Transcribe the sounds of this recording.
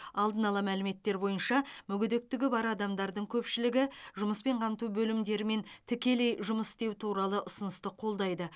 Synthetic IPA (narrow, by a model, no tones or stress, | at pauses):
ɑlˠd̪ənɑlˠɑmælɪme̞t̪ːe̞ɾbo̞jənʃɑmʏɡʲʏd̪ek̚t̪ɪɡʲɪbɑɾɑd̪ɑmd̪ɑɾd̪əɴkʲʰɵpʃɪlɪɡʲɪʒʊməspe̞ɴqʰɑmt̪ubɵlɪmd̪e̞ɾɪme̞nt̪ʰɪkʲe̞le̞jʒʊməst̪e̞wt̪ʰuɾɑlˠəʔʊsʊnəst̪əqʰo̞lˠd̪ɑjd̪ə